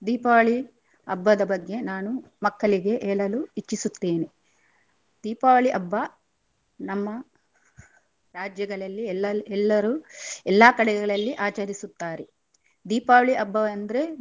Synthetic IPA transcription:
d̪iːpaːʋɭi | ɐ̰bːɐd̪ɐbɐɡːe̞naːnu | mɐkːɐɭiɡe̞ʔeːɭɐluit͡ʃːisut̪ːeːni | d̪̥iːpaːɐɭiʔɐbːɐ | nɐmːɐ | ɾaːd͡ʒjɐɡɐɭɐlːilːɛlːɐɾuːɛlːaːkɐɽɛɡɐɭɐlːiʔaːt͡ʃɐɾisut̪ːaːɾe | d̪iːpaːʋɐɭiʔɐbːɐɐnd̪ɐɾe̞

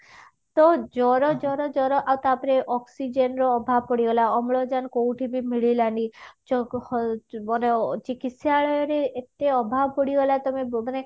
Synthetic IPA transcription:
t̪ɔd͡ʒɔɾɔd͡ʒɔɾɔd͡ʒɔɾɔʔawt̪apɾeʔɔksid͡ʒenɾɔːbʱabpɔɽiɡɔlaɔmɭɔd͡ʒankowʈʰibʱimiɭilanit͡ʃɔ | ɔnet͡ʃikit̪saɭɔjɔɾeːt̪eɔbʱabpɔɽiɡɔlat̪ɔmemane

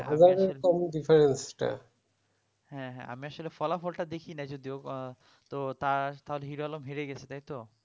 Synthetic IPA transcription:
ɦazaeɾkɔmɖifaɾensʈa̰ | hɛ̃ɦɛ̰̃a̰miaʃolefɔlafɔlʈad̪ekʰinad͡ʑod̪io | t̪ot̪at̪aɦoleɦiɾoalomɦiɾeɡɛt͡ɕʰet̪aɦjt̪o

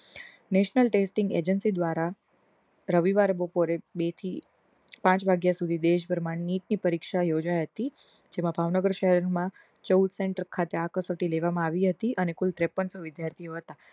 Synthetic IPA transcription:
neʃnəlʈesʈɪŋɡḛd͡ʒənsid̪ʋaɾa | ɾəʋiʋaɾbopoɾebet̪ʰi | pãt͡ʃbʱaɡjasud̪ʱid̪eʃ̬bʱəɾmãnniʈ̚nipəɾikʃajod͡ʒajɦət̪i | d͡ʒemãbʱaʋnəɡəɾʃəɦɛɾɾmã | t͡ʃəud̪seɳʈəɾkʰat̪eakəsoʈileʋamãaʋiɦət̪iʔənekult̪ɾepənsoʋɪd̪jaɾt̪ʰijoɦət̪a

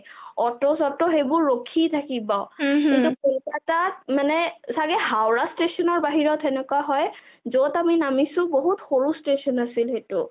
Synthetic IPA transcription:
ɔtɔsɔtɔɦebʊɹːokʰitʰakibɔkintukɔtatat̚manɛsaɡɛɦawɹastesɔnɔɹbaɦiɹɔtʰɛnɛkwaɦɔj | zotaminamisʊ̃boɦutxoɹustesɔnasilhetʊ

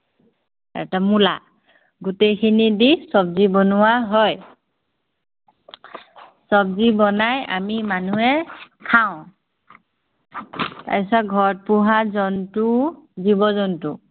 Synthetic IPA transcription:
ɛ̰tamula̰ | ɡutejkʰinidisɔbzibɔnʊwaɦɔj | sɔbzibɔnaja̰mimanuɛkʰaʊ̃ | ta̰jsaɡʱɔɹt̚puɦazɔntʊzibɔzɔntʊ

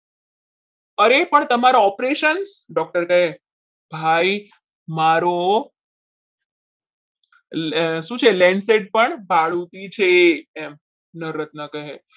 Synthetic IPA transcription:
əɾepəɳt̪əmaɾaɔpɾeʃənsɖɔk̚ʈəɾkəɦe | bʱai | maɾo | ʃũt͡ʃʰelɛ̃ɳɖseʈ̚pəɳbʱaɭut̪it͡ɕʰeɛm | nəɾət̪̚nəkəɦe

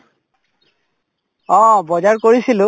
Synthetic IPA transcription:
ɔbɔzaɹkoɹisilʊ̃

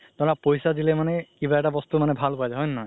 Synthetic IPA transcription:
t̪ɔɹapojsadilɛmanɛkibaɛʈabɔst̪umanɛbʱalkuazaɦɔjnnɔj

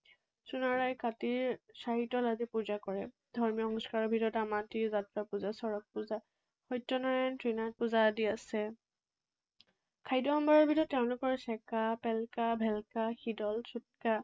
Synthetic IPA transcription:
sunaɹajkatiɹsaɦitɔlazipuzakɔɹɛ | dʱɔɹmiɔxɔŋsɔ̥kaɹɔbʱidɔtamatizatɹapuzasɔɹɔk̚puza | xɔjtːɔnaɹajntɹinat̚puzadiasɛ | kʰajdɔɔmbaɹɔɹbʱidɔtːɛʊ̃lʊkɔɹsɛkapɛlkabʱɛlkaxidɔlsʰut̚ka

